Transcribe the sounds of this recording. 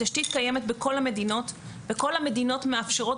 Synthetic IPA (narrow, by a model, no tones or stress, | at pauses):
aʃtit̪kaje̞me̞t̪beko̞lhame̞d̪ino̞t | beko̞lhame̞dino̞tmeafʃeʁo̞